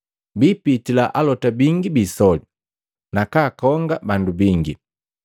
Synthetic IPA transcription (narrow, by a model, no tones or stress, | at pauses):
biːpitilaʔalɔtabiŋɡibiːsɔli | nakaːkɔŋɡabandubiŋɡi